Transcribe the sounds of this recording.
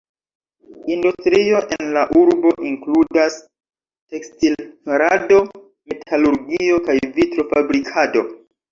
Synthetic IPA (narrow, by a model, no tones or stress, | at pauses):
industɾio̞ʔenlaʔuɾbo̞ʔiŋkludas | te̞kstilɾado̞ | me̞tʰaluɾɡio̞kajvitɾo̞fabɾikʰado̞